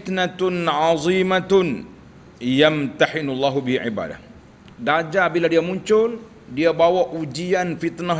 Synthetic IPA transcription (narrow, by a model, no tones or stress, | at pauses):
t̪nat̪ʊnʕɑzˤiːmat̪ | jamt̪aħɪnulːaɦubiɦiʕḭba̰ːda̰h | dad͡ʒabiladiamuɲt͡ʃʊl | diabawaʔud͡ʒianfit̪na